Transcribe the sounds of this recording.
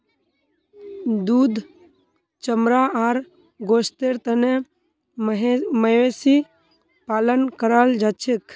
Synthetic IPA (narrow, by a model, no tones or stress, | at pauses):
d̪uːd̪ | t͡ʃəmɾaaːɾ | ɡoːst̪eɾt̪əne | ɦməesi | paːlənkəɾald͡ʒaːt͡ʃʰek